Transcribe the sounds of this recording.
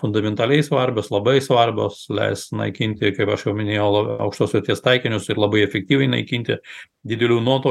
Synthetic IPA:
fʊnd̪ɐmʲɛnt̪ɐlʲɛɪsʋɐrʲbʲoslˠɐbɐɪsʋɐrʲbʲo̰ːslʲɛ̰ɪst̪nɐ̰ɪkʲɪnʲt̪ʲɪkɐɪpɐʃjɛʊmʲɪnʲeːjɛʊlˠɐɐ̰ʊkʃt̪oːsʲʋʲɪɾʲt̪ʲiɛst̪ɐɪkʲɪnʲʊsɪɾlˠɐbɐɪɛfʲɛk̚t̪ʲiːʋʲɛɪnɐ̰ɪkʲiːnʲt̪ʲɪ | d̪ʲɪd̪ʲɛlʲuːnuɔt̪oː

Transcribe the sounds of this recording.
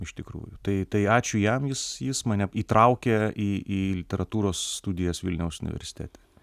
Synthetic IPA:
ɪʃt̪ʲɪkɾṵːjʊt̪ɐɪt̪ɐɪɑːt͡ʃʲʊjɛmjɪsjɪsmɐnʲɛiːt̪ɾɐʊkʲeiːʔiːlʲɪt̪ʲɛɾɐt̪uːɾoːsːt̪ud̪ʲɪjɛsʋʲɪlʲnʲɛʊsʊnʲɪʋʲɛ̰ɾʲsʲɪ̥t̪ʲæ̰ːt̪ʲɛ

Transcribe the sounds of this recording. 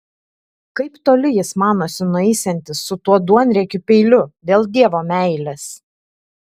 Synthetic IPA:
kɐɪpt̪oːlʲɪjɪsmɑːnoːsʲɪnʊɛɪsʲɛnʲt̪ʲɪsːʊt̪uɔd̪uɔnʲɾʲɛkʲʊpʲɛɪlʲʊd̪ʲeːlˠd̪ʲiɛʋoːmʲæˑɪlʲeːs

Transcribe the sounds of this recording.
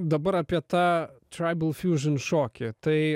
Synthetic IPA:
d̪ɐbɐɾɐpʲɐt̪at̪ɾajbəlˠfjuʒɐnʃɔkʲɪt̪ɐj

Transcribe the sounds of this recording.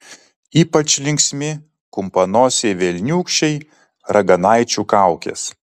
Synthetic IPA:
iːpɐt͡ʃʲlʲɪŋʲksʲmʲɪ | kʊmpɐnoːsʲeʋʲɛlʲnʲuːkʃʲt͡ʃʲɛɪ | ɾʔɐɡɐnɐɪt͡ʃʲuːkɑˑʊkʲḛːs

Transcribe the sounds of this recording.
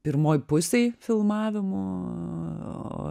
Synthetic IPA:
pʲɪɾmoːjpʊsʲejfʲɪlˠmɑːʋʲɪmoː | o̰

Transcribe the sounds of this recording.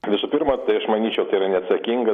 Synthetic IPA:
ʋʲɪsʊpʲɪrmɐt̪ɐɪɐʃmɐnʲiːt͡ʃʲɛʊt̪ɐɪiːɾɐnʲɛɐt̪sɐkʲiŋɡɐ

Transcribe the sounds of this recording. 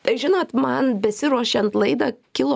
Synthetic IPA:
t̪ɐɪʒʲɪnoːt̪mɐnbʲɛsʲɪɾuɔʃʲɛnt̪lˠɐɪd̪ɐkʲɪlˠoː

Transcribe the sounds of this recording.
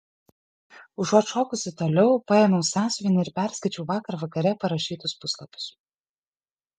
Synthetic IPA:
ʊʒoʃoːkʊsʲɪt̪oːlʲɛʊpɑɛːmɐʊsʲɑːsʲʋʲɪnʲɪɪɾpʲæˑɾskɐɪt͡ʃʲɛʊʋɑːkɐɾʋɐkɐɾʲɛpɐɾɐʃʲiːt̪ʊspʊslˠɐpʲʊ̥s

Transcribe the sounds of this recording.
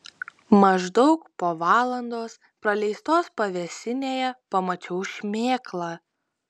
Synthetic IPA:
mɐʒd̪ɒʊkpoːʋɑːlˠɐnd̪oːs | pɾɐlʲɛɪst̪oːspɐʋʲɛsʲɪnʲeːjɛpɐmɐt͡ʃʲɛʊʃʲmʲeːklˠɑː

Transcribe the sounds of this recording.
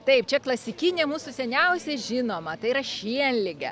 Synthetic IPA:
t̪ɐɪp̚t͡ʃʲɛklˠɐsʲɪkʲinʲeːmuːsʊsʲɛnʲɛʊsʲeʒʲɪnoːmɐt̪ɐɪiɾɐʃʲiɛnʲlʲɪɡʲɛ̰

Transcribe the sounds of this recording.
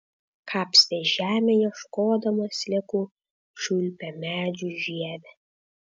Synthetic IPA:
kʰɑːpʲsʲt̪ʲeʒæːmʲejɛʃkoːd̪ɐmɐsʲlʲɛku | ʃulʲpʲɛmʲæːd͡ʒʲuʒiɛdʲɛ

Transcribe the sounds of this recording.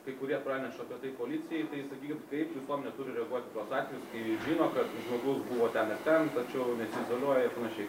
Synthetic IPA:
kɐɪkʊɾʲiɛt̪pɾɑːnʲɛʃtɐpʲiɛt̪ɐɪkoːɐlʲit̪t͡s̪ʲɪjɛɪt̪ɐɪsɐkʲiːkʲɪnkɐɪpʋʲɪsoːmnʲɛt̪ʊɾʲɪɾʲɛɐɡuɔt̪ʲɪt̪oːsɑːt̪ʲʋʲɛjʊskɐɪʒʲɪːnoːkɐt̪ʒmoːɡʊsbuʋoːt̪ʲɛnɪɾt̪ʲɛnt̪ɐt͡ʃʲɛʊnʲɛsʲɪɪzoːlʲuɔjɛɪɾpɐnɐʃʲɛɪ

